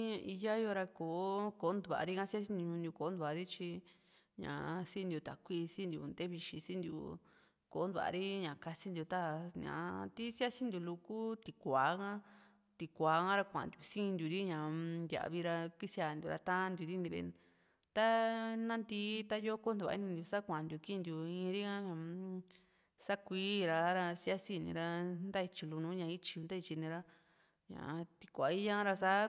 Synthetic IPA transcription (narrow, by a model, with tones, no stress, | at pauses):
ɲã˧ʔi˧ja˦jo˧ɾa˧koː˨˦ko˨˦nd̪u˧βa̰˨˧ɾi˦kã˧si˦a˦s̬ĩ˦nũ˧ɲũ˧nd̪ʲu˧ko˨˦nd̪u˧βa˨˧ɾi˦t͡ʃi˧ | ɲã̰˨sĩ˦˧nd̪ʲju˧t̪a̰˨kʷi˧sĩ˦nd̪jṵ˨nd̪e˦βi˧ʃi˧sĩ˦nd̪jṵ˨ | ko˨˦nd̪u˨a̰˨˧ɾi˦ɲã˨ka˧si˦nd̪ju˧t̪a˦ɲã̰˨t̪i˦sa˦sĩ˦nd̪ju˧lu˧ku˦t̪i˧kʷaː˨˦kã˦ | t̪i˧kʷaː˨˦kã˦ɾa˧kʷã̰˧˨nd̪ju˧sĩ˦˧nd̪ʲu˧ɾi˦ɲã˨nd̪ʲa̰˨˧βi˧ɾa˧ki˦sja˧˨nd̪ʲu˧ɾa̰˧t̪ã˦˧nd̪ʲu˧ɾi˦nĩ˧βḛ˧ | t̪a˦nã˦nd̪i˧˦t̪a˦jo˦ko˦nd̪u˨a̰˧ḭ˦nĩ˧nd̪u˧sa˦kʷã˨nd̪u˧ki˦˧nd̪u˧ĩ˧ɾi˦ã˦ɲã˧ | sa˦kʷiː˦ɾa˧ɾa˧si˧˦a˦si˧nḭ̃˧ɾa˧nd̪a˦i˧t͡ʃi˧lu˧nũ˧˦ɲã˧i˦t͡ʃi˧u˧nd̪a˦i˧t͡ʃi˧nĩ˧ɾa˧ | ɲã̰˨˧t̪i̥˧kʷa˨i˦ɲã˦ɾa˧sa˦